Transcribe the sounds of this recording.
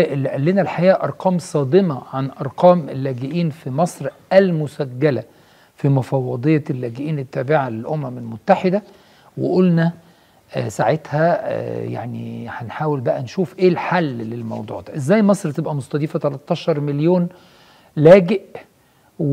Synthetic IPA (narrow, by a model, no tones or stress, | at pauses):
ʔelːiʔælːenælħajæːʔɑɾˤqɑːmsˤɑːd̪emɑʕanʔɑɾˤqɑːmelːæːɡeʔiːnfimɑsˤɾʔælmʊsæɡːælæ | fimofɑwːɑd̪ˤejːɑlːæːɡeʔiːnet̪ːæːbeʕalelʔomæmelmot̪ːaħed̪æ | wḛʔolnæ | saʕet̪hæja̰ʕnḭhænħaːwelbæʔænʃuːfʔeːlħalːlelmɑ̰wd̪ˤṵːʕd̪æ̰ːʔezːæːjmɑsˤɾt̪ebʔæmosˤt̪ˤɑd̪iːfæt̪ælɑt̪ˤːɑːʃɑɾˤmɪljoːn | læːɡeʔ